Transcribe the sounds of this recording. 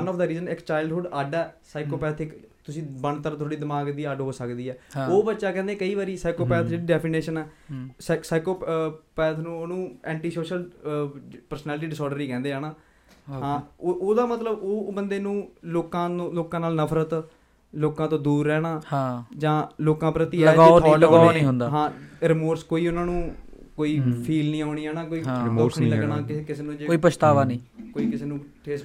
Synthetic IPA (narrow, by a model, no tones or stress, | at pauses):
ənɔːfd̪aːɾiːzənɪkt͡ʃaːɪlɖɦʊɖaɖɛːsaːɪkoːpɛːt̪ʰɪkt̪ʊsĩːbəɳt̪əɾt̪ʰoːɽiːd̪ɪmaːɡd̪iːəɖɦoːsəkd̪iːɛːoːbətːʃaːkɛ̃ːnd̪ẽːkəiːʋaːɾiːsaːɪkoːpɛːt̪ʰd͡ʒeːɽiːɖɛːpʰiːneːʃənɛːssaːɪkoːppɛːt̪ʰnũːoːnũːɛ̃ːɳʈiːsoːʃəl | pəɾsnɛːlʈiːɖɪsɔːɖəɾiːkɛ̃ːnd̪eːaːnaː | ɦãːoːd̪aːmət̪ləboːbənd̪eːnũːloːkãːloːkãːnaːlnəpʰɾət̪ | loːkãːt̪õːd̪uːɾːɛːnaːhãːd͡ʒãːloːkãːpɾət̪iːɛləɡaːoɔləɡaːonĩːɦʊnd̪aːɦãːɾɪmoːɾskoːiːʊnãːnũːkoːiːpʰiːlnĩːaːʊɳ̃iːɛːnaːkoːĩːɾmoːsnĩləɡnaːkɪkɪseːnũːd͡ʒeoːiːpət͡ʃʃt̪aːʋãːnĩːkoːiːkɪseːnũːʈʰeːs